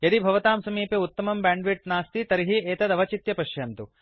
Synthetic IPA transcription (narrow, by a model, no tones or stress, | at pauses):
jɐd̪ibʱɐʋɐt̪aːmsɐmiːpeut̪ːɐmɐmbaːɳɖʋiʈ̚naːst̪it̪ɐɾiɦiʔeːt̪ɐd̪ɐʋɐt͡ʃit̪jɐpɐʃjɐnt̪u